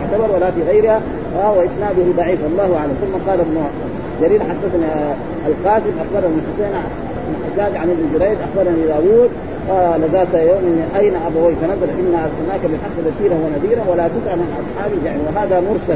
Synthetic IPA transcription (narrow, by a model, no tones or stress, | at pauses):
ʕt̪abɑɾˤwalafiɣajɾiha | awaʔisnaːd̪uhid̪ˤɑʕiːfʔɑlˤːɑːhuʔaʕlamθumːaqɑːlnːo | d͡ʒaɾiːlaħad̪ːaθni | alqaːsimʔaxbɑɾˤnaliħʊseːn | nħad̪aːd̪ʕanalːid͡ʒɾeːd̪ʔaxbɑɾˤnalid̪aːwuːd̪̚ | alazaːlt̪ajoːminːʔajnaʔabawiːfanazalʔinːaunːaːkabiħaqːbasiːɾawanaðiːɾawalat̪ɪsʕalmanʔɑsˤħɑːbijaʕniwaɦaːd̪amʊɾsal